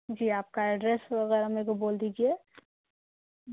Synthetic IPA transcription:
d͡ʒiːaːp̚kaɛɖɾɛsʋɐɣɛːɾameːkoboːld̪iːd͡ʒie

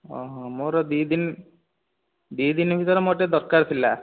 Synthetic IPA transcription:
ɔ̰ɦɔ̃moɾɔd̪id̪in | d̪id̪inbʱit̪ɔɾemoʈed̪ɔɾkaɾt̪ʰila

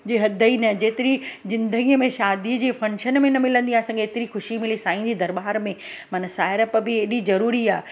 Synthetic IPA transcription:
d͡ʑeːɦɐd̪ʱəinɐd͡ʑeːt̪ɪɾizɪ̃nd̪əɡijəmẽʃaːd̪iəd͡ʑiːfɐ̃nʃənmẽnɐmɪlə̃nd̪iãɐsãːkeeːt̪ɪɾixʊʃimɪlisaːĩd͡ʑiːd̪ɐɾbaːɾmẽmɐnəsaːɪɾəp̆bɪeːɗizɐɾuːɾiaː

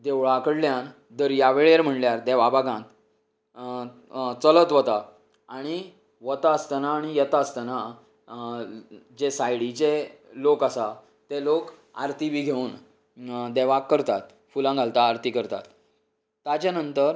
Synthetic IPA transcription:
d̪eʋɭakəɽljan | d̪əɾjaʋeɭeɾm̤əɳljaɾd̪eʋabaɡãt̪ | t͡sələt̪ʋət̪a | aɽ̃i | ʋət̪aəst̪ənaːɽ̃ijet̪ast̪ana | d͡ʑesajɽit͡ɕelokasa | t̪elok | a̰ɾt̪ibʱiɡʱeuːn | d̪eʋakːəɾt̪at̪ | fulãŋɡʱalt̪aːɾt̪ikəɾt̪a̰t̪ː | at͡ɕjanənt̪əɾ

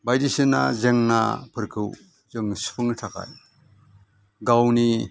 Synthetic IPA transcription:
bajdisɯna̰zeŋna̰pʰɯɾkʰɯw | z̥ɯŋspʰɯŋtʰakʰa̰j | ɡawni

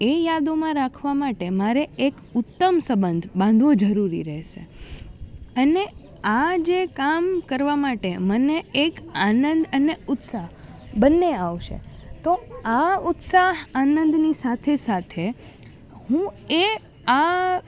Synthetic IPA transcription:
ejad̪omãɾakʰʋamaʈemaɾeek | ʊt̪ːəmsəbənd̪ʱbãnd̪ʱʋod͡ʒəɾuɾḭɾəɦʃḛ | əne | ad͡ʒekamkəɾʋamaʈeməneːkanənd̪əneʊt̪sa | bənːeaʋʃḛt̪oaʊt̪saɦanənd̪nisat̪ʰesat̪ʰe | hũe | a

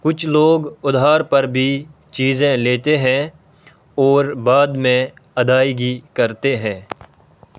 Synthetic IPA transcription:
kʊt͡ʃʰloːɡʊd̪ʱaːɾpɐɾbʱi | t͡ʃiːzẽleːt̪eɦɛ̃ | ɔːɾbaːd̪mẽ | ɐd̪aːiɡʱikɐɾt̪eɦɛ̃ː

